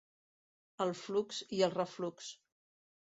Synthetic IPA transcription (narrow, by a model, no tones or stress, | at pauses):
əlˠflukziəlˠrəfluks